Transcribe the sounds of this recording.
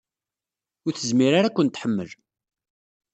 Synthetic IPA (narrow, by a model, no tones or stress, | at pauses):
ʊɾθəzmiɾaɾakʷːənt̪ħəmːə̰l